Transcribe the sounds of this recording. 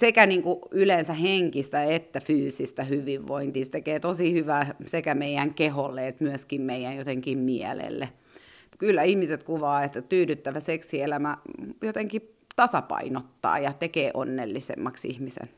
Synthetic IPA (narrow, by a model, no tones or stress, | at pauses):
sekæniːŋkuylensæheŋkist̪æet̪ːæfyːsist̪æhyʋiʋʋoint̪iːst̪ekeːt̪osihyʋæːsekæmeijæŋkeholːeet̪myøskimmeijænjot̪eŋkimmiæ̰lḛlːe | kylːæihmiset̪kuʋɑːet̪ːæt̪yːɾyt̪ːæʋæseksielæmæjot̪eŋki | t̪ɑsɑpɑ̰inot̪ːɑ̰ːjɑt̪ekeːʔonːḛlːisḛmːɑksḭhmisḛn